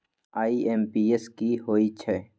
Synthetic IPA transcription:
aːiʔeːmpiːeskiɦoːit͡ʃʰɛː

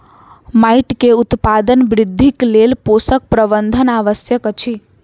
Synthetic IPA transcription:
maiʈkeut̪pad̪ənbɾɪd̪ʱːiklelposək̚pɾəbənd̪ʱənaʋəsjəkət͡ʃʰi

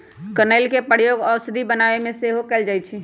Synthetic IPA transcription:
kənəɪlkepəɽjoɡɔɾsəd̪ʱibənaʋemẽseɦokɛld͡ʒajt͡ʃʰi

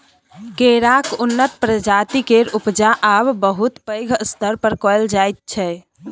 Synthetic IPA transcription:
keɾakunːət̪pɾəd͡ʒat̪ikeɾupd͡ʒaʔabbəɦut̪pəjɡʱəst̪əɾpəɾkɔld͡ʒajt̪̚t͡ʃʰɛ

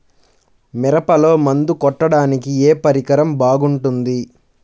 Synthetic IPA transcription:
mɛɾɐpɐlo̞ːmɐnd̪ukɔʈːɐɽaːnikieːpɐɾikɐɾɐmbaːɡuɳʈund̪i

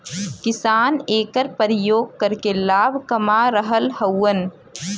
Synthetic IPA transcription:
kɪsaːneːkəɾpəɾɪjoːɡ̚kəɾkelaːbʱkɐmaɾəɦəlhəwːən

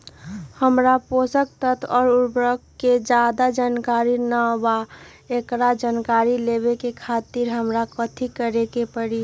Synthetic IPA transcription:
həmɾaposək̚t̪ət̪ʰɔːɾuɾbɾəkːed͡ʒaːd̪ad͡ʒaːnkaɾinəba | ekɾad͡ʒankaɾilebekekʰaːt̪iɾɦəmɾakət̪ʰikəɾekepəɽi

